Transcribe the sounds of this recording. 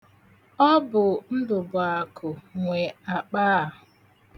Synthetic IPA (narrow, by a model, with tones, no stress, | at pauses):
ɔ˦bʊ˨n̩˦dʊ˨ba˨kʰʊ˨ŋʷe˨a˨k͡paː˦˨